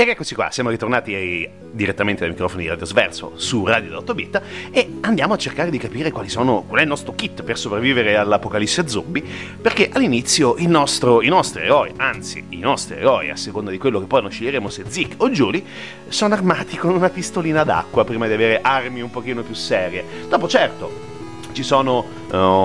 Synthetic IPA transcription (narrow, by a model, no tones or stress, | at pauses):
ekːɛkːot͡ʃikwa̰sjaːmoɾit̪ornaːt̪i | d̪iɾet̪ːament̪ed̪ajmikɾɔːfonid̪iɾad̪jozvɛ̰rso̰suraːd̪jod̪awt̪obit̪ːaeand̪jaːmoat͡ʃːerkaːɾed̪ikapiːɾekwaːlisoːnokwalɛilnɔst̪ɾokit̪ːpersopɾavːiːveɾealːapokalisːead̪zːo̰mbiperkeʔalːinit̪sːjoʔilnɔst̪ɾoinɔst̪ɾiḛɾɔiant̪sḭinɔst̪ɾiḛɡɔːḭa̰sːekond̪ad̪ikwelːokepːɔjnɔjʃːeʎːeɾeːmosed̪zikːod͡ʒuːli | soːnoarmaːt̪ikonunapist̪oliːnad̪a̰kːwapɾiːmad̪iaveːɾeʔarmiumpok̟iːnopjusːɛːɾje | d̪̥ɔːpot͡ʃɛrt̪o | t͡ʃisoːno